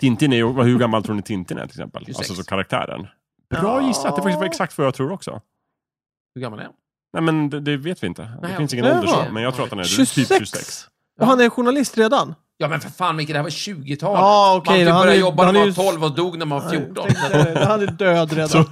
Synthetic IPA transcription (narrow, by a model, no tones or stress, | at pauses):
t̪ʰɪnt̪ɪnæjɔvahɵɾɡamːalt̪ʰɾuːnɪt̪ʰɪnt̪ɪnɛ̰tʰɪlɛsɛ̰mpə̰la̰sɔsɔkʰaɾak̚t̪ʰæ̰ːɾə̰ɳ | b̥ɾɑːjɪsːad̪ɛfakt̪ɪsvaɾɛksak̚t̪vajɑːt̪ʰɾuːɾɔksɔ̰ | hɵɡamːalɛ̰ | nɛjmɛnd̪ɛd̪ɛveːt̪vɪɪnt̪ədɛfɪnsɪŋːənɛə̰mɛnjɑɡt̪ʰɾuːat̪hanæ̰t̪ʰiːɛɵsɛ̰ks | ɔɦanæjɧʊɳalɪst̪ɾeːd̪an | jɑːmɛnfəɾfaːnmɪkːəd̪ɛhæɾvaɕʉ̟ːɡɪt̪ʰɑːlɑɔkʰɛjhanɾjɔbːahanʰɔlvɔd̪uːɡnæɾmanvafjuːʈɔhanɛdøːd̪ɾeːd̪ɔ